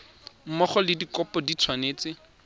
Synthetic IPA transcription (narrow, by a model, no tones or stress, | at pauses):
m̩mɔχɔlɪdikɔpɔdit͡sʰwaneːt͡sɪ